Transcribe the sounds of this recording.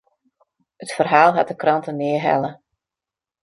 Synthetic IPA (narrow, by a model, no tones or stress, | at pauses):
ətfərɦaːlˠɦat̚dəkrɑntənɪəɦɛ̰lə